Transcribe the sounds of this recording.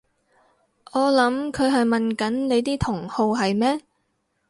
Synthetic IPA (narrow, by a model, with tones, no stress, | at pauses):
ʔɔː˨˧lɐ˨˥mkʰɵ˨˧ɥɦɐ˨jmɐ˨nkɐ˨˥nne˨˧jt̪iː˥t̪ʰʊ˨˩ŋho˧wɦɐ˨jmɛː˥